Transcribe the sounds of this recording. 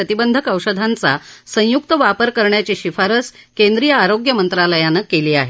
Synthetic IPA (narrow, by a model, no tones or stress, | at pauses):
ət̪ibənd̪ʱəkəwɕəd̪ʱant͡sasə̃jukt̪əʋapəɾkəɾɳjat͡ɕiːɕifaɾəskend̪ɾijəaɾoɡjəmənt̪ɾaləjanəkeliːaɦe